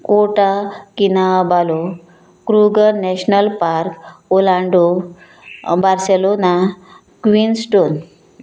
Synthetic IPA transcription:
koʈakinabalo | kɾuɡəɾnɛɕnəlpaɾkolãɳɖo | baɾselona | kʋinsʈon

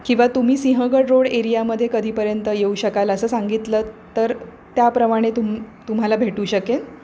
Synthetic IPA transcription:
kĩw̃ʋat̪um̤iːsĩɦəɡəɽɾoɽeɾijaməd̪ʱjekəd̪ʱiːpəɾjənt̪əjeuɕəkaləsəːsaŋɡit̪ləːt̪əɾ | t̪japɾəmaɽ̃et̪umt̪um̤alabʱeʈuːɕəke

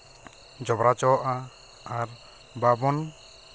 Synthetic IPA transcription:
d͡ʒɔbɾat͡ʃɔʔa | aɾ | babɔn

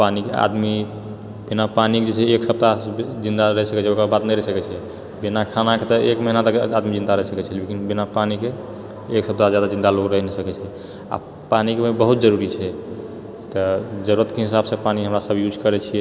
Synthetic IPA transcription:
panikea̰d̪mi | binapanikd͡ʒet͡ʃʰɛeksəb̚t̪ad͡ʒind̪aɾəɦɛsəkɛt͡ʃʰɛokɾabat̪nəjɾəɦsəkɛt͡ʃʰɛ | binakʰanaket̪ɔekməɦinat̪əkad̪mid͡ʒind̪aɾəɦɛsəkɛt͡ʃʰɛlekinbinapanike | eksəb̚t̪ad͡ʒjad̪ad͡ʒind̪aloɡɾəɦɛnɛsəkɛt͡ʃʰɛ | a̰ | panikeebəɦut̪̚d͡ʒəɾuɾit͡ʃʰɛ | t̪ɔd͡ʒəɾuɾət̪keɦisabsə̃paniɦəmɾasəbʱjud͡ʒkəɾɛt͡ʃʰijɛ

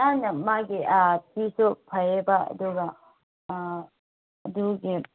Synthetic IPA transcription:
anɐmaɡiapisupʰɐjebaɐ̰d̪uɡɐ | ɐd̪uɡi

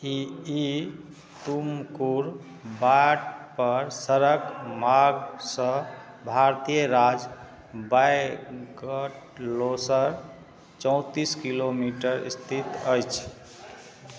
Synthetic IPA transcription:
ii | t̪umkuɾ | baʈpəɾsəɾəkmaɡsə̃ | bʱaɾt̪ijəɾad͡ʒ | bajɡəʈ | losəɾ | t͡ʃə̃ʊ̃t̪iskilomiʈəɾḭst̪ʰit̪əjt͡ʃʰ

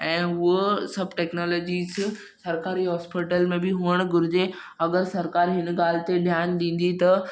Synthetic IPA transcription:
ɛ̃ːɦʊosɐbʱʈeːknɔːlɔːd͡ʑis | sɐɾkaːɾiɦɔːspiʈəlmẽbɪɦʊəɽ̃ɡʊɾɪd͡ʑe | ɐɡəɾsɐɾkaːɾɦɪnɡaːl̤ɪt̪eɗʱjaːnɗ̪ĩːn̆d̪it̪ɐ

